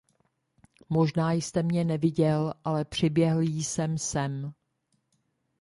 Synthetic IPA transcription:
mo̞ʒnaːjst̪ɛmɲɛnɛvɪɟɛlʔalɛpr̝̥ɪbjɛɦl̩jisɛmsɛm

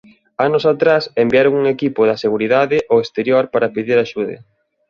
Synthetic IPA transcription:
anʊsat̪ɾasembiaɾoŋuŋekipʊðɐseɣuɾiðaðɪʔoest̪eɾjoɾpaɾɐpiðiɾaʃuð̞ḛ

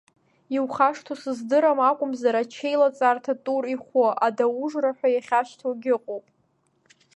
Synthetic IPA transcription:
iwχaʂtʰosɨzdɨɾamakʷʼʊmzaɾat͡ʃʰe̞jlat͡sʼartʰatʼuriχʷoʔadauʐraħʷᶣajaχʲaʃtʰoɡʲɪqʼowpʼ

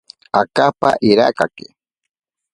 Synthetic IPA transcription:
akapa̰ʔiɾa̰kakɪ

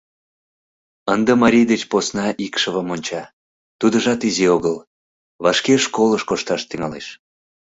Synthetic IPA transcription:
ənd̪əmɑɾʲijd̪et͡ɕposnɑʔikʃəβəmonʲt͡ɕɑ | t̪ud̪əʒɑt̪izioɣəl | βɑʃkeʃkoləʃkoʃt̪ɑʃt̪yŋɑlḛʃ

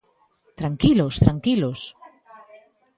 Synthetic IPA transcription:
t̪ɾaŋkilost̪ɾaŋkilos

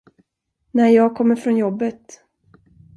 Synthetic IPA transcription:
næɾjɑːɡ̚kʰɔmːəɾfɾɔnjɔbːət̪

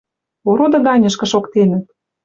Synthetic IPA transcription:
oɾod̪ɤ̆ɣɑnʲɤ̆ʃkɤ̆ʃokt̪enə̆t̪̚

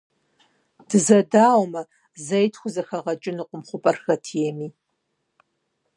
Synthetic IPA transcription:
d̥ɨzɐdaːwmɐ | zɐjtʰxʷʊzɐxɐʁɐt͡ʃʼɪnuqʷʼʊmχʷʊpʼɐrxɐtʰijɛmiː

